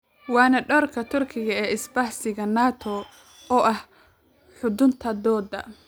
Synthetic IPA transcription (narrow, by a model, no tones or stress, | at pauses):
wɑːnɐɖɔːrkʰɐt̪ʰʊrkʰɪɣɐɛːɪsbɐħsɪɣɐnaːt̪ʰɔ | ɔːʔɐh | ħʊd̪ʊnt̪ʰɐd̪ɔːd̪ɐ̰